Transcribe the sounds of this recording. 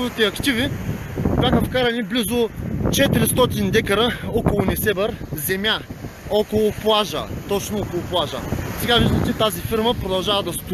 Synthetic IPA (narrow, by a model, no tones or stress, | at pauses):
vit̪ɛɐkt̪ivi | bʲjaxəfkaɾɐniblizot͡ʃɛt̪iɾist̪ɔt̪ind̪ɛkɐɾəɔkolˠʊnɛsɛbəɾzɛmʲjaɔkolˠʊplˠaʒə̰t̪ɔt͡ʃnoɔkolˠʊplˠaʒə̰sɛɡaviʒd̪ɐmt͡ʃɛt̪azifiɾməpɾod̪ɐlˠʒavəd̪ɐst̪